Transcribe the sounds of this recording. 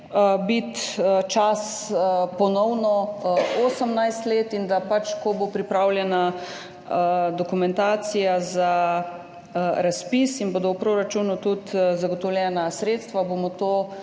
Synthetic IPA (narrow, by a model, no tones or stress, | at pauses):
bit̪t͡ʃas | pɔnɔwnɔosəmnajst̪leːt̪ind̪apat͡ʃkɔbopɾipɾawljɛna | d̪ɔkumɛ̃nt̪aːt̪sijaza | ɾaspisinboːd̪owpɾoːɾat͡ʃunut̪ut̪zaɡɔt̪ɔwlʲjɛnasɾeːt̪st̪ʋabomɔt̪o